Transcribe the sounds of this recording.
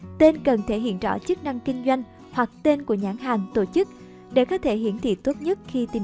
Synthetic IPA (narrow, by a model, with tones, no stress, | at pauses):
t̪e˧nkə˨˩nt̪ʰe˧˩ɦḭ˧˨ənt͡ɕɔ̰˧˩t͡ɕɨ˦˥k̚na˧ŋkï˧ŋ̟zwa˧jŋ̟ | hwa˨˩k̚t̪e˧nku˧˩əɲaː˧˥ŋɦa˨˩ŋt̪o˧˩t͡ɕɨ˦˥k̚ | ɗe˧˩kɔ˨˦t̪ʰe˧˩ɦḭ˧˥ənt̪ʰḭ˧˨t̪o˦˥t̚ɲə˦˥t̚xi˧t̪i˨˩